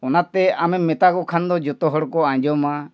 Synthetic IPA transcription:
ɔnat̪ɛamɛmɛt̪akɔkʰand̪ɔd͡ʒɔt̪ɔɦɔɽkɔãɲd͡ʒɔma

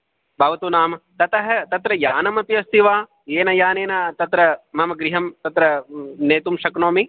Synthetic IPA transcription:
bʱɐːʋɐt̪uːnaːmɐt̪ɐt̪ɐɦɐt̪ɐt̪ɾɐjaːnɐmɐp̪iɐst̪iʋaː | jeːnɐjaːneːnɐt̪ɐt̪ɾɐmɐmɐɡɾiɦɐmt̪ɐt̪ɾɐneːt̪umʃɐknoːmi

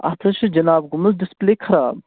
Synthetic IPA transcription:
ɐ̰t̪ʰɐʃʰid͡ʒɐnaːbɡʊmɐzdispleːkʰɐɾaːb

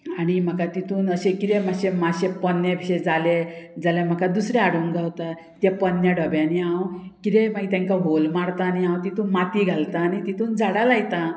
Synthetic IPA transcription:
aɽ̃im̤əkat̪it̪ʰuːnəɕekiɾemaɕemaɕepənːjebʱiɕed͡zaled͡zalem̤əkad̪usɾeaɽuŋɡaɦot̪a | t̪japənːjaɖəbjãniãwkiɾemaɡit̪jãŋkaɦolmaɽt̪aːniãwt̪it̪ʰũːnmat̪iːɡʱalt̪aːnit̪it̪ʰuːnd͡zaɽalajt̪a

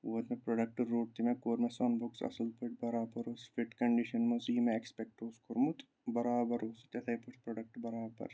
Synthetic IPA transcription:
ʋoːt̪mepɾɐɖɐk̚ʈɾoːʈ̚t̪ʰimẽkoːɾmẽsɐnbuksɐ̰səlpəʈ̚bɐɾaːbɐɾosfiʈkɐɳɖiʃɐnmɐsiːmẽekspɛk̚ʈoːskoɾmut̪ | bɐɾaːbɐɾoːst̪jɐt̪ʰɐjpuspɾɐɖɐk̚ʈbɐɾaːbɐ̰ɾ

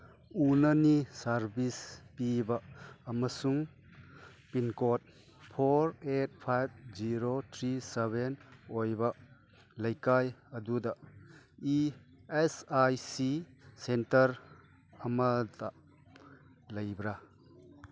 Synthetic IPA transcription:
unɐnisaɾbispibɐːmɐsuŋ | pinkot̚ | pʰoɾet̚pʰajb̚d͡ʒiɾot̪ʰɾiseβenojbɐ | lɐjkajɐdudɐ | iesajsisentɐɾ | ɐmɐdɐ | lɐjbɾa

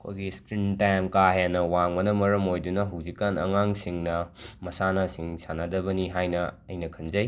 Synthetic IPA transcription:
ɐkʰo̰jɡiskɾintajmkaɦjanɐwaŋmɐnɐmɐɾɐmojdunɐɦɐwzikːanɐ̰ŋaŋsiŋnɐmɐsanasiŋsanadɐbɐniɦajnɐɐjnɐkʰɐnzɐj

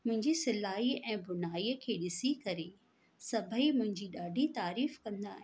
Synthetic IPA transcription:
mʊ̃ɦɪ̃ɲd͡ʑisɪlaːiɛ̃ːbʊnaːiːəkʰeːɗɪsikɐɾe | sɐbʱəimʊ̃ɦɪ̃ɲd͡ʑiɗaːɖʱit̪aːɾiːfkɐ̃nd̪a̰ːɦe

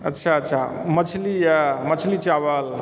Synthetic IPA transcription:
ətːʃʰaətːʃʰa̰ | mət͡ʃʰlijamət͡ʃʰlit͡ʃabəl

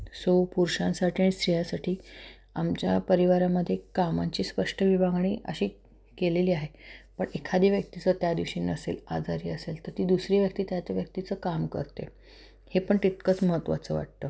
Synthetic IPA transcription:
sopuɾɕãnsaʈʰiaɽ̃ist̪ɾijasaʈʰiː | amt͡ɕjapəɾiʋaɾaməd̪ʱːjekamaɲt͡ɕiːspəʂʈʰəʋibaɡɳ̃iːʔə̰ɕiː | keleliːaɦepəɳekʰad̪iːʋjək̚t̪it͡sət̪jad̪iʋɕiːnəsḛla̰d͡zaɾiːəselt̪əɾt̪iːd̪usɾiːʋjək̚t̪iːt̪jat͡ɕaʋjək̚t̪it͡səːkamkə̰ɾt̪ḛ | hepəɳt̪it̪̚kət͡sməɦət̪ːʋa̰t͡səʋa̰ʈ̚t̪ə

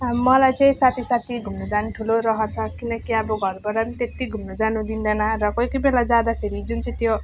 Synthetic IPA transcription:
mʌlajt͡sʌĩsat̪ʰisat̪ʰiɡʱumnud͡zanuʈʰuloɾʌɦʌrt͡sʰʌkinʌkiʌbʌɡʱʌrbʌɾanit̪et̪ːiɡʱumnud͡zanud̪ind̪ʌnarʌkʌjkʌbelad͡zad̪apʰeɾid͡zunt͡sʌĩt̪jo

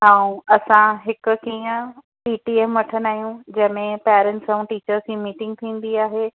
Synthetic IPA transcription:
ɦãːũɐsãɦɪk̆kiːə̃ | piːʈieːmʋɐʈʰənaːɦjũd͡ʑɐ̃ɦɪ̃mẽpɛːɾə̃ɳʈsəũʈiːt͡ɕəɾskĩːmiːʈɪ̃ŋɡ̚t̪ʰĩːn̆d̪iaːɦeː

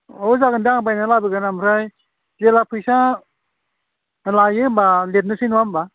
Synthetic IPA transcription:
ɔzaɡɯndaŋbajnalabɯɡanamɾaj | zelapʰɯjsa | lajɯmbalet̚nɯsʰinuwamba

